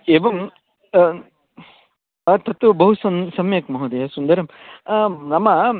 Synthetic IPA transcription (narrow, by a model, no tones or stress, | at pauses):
eːʋɐm | ɐt̪ɐt̪ʋubɐɦusɐsɐmjɐkmɐɦod̪ɐjɐsund̪ɐɾɐm | nɐmɐ